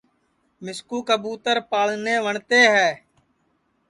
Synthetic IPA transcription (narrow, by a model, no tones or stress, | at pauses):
mɪskuːkəbuːt̪əɾpaːlneːʋəɳt̪eːɦɛː